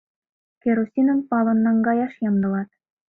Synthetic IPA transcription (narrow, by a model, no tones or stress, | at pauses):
keɾosʲinə̆npɑlɤ̆nːɑŋɡɑjɑʃjɑmd̪ɤ̆lɑt̪